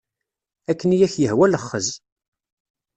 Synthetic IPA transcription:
ækːənijæçjəhwæləχːəz

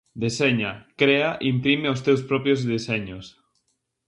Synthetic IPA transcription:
d̪eseɲakɾeaʔimpɾimeʊst̪ewspɾɔpɾjozðeseɲʊs

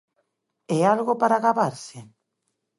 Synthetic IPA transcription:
ealɣopaɾaɣaβaɾsɪ

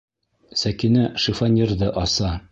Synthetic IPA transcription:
sækinæʃĭfanʲird̪ɤʔɒsɑ

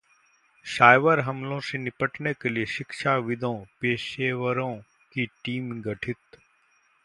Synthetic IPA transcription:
ʃaːjʋəɾɦɐmlõsenɪpəʈnekelieʃɪkʃaʋɪd̪ʱõpeːʃeːʋəɾõ | kiʈiːmɡɐʈʰɪt̪

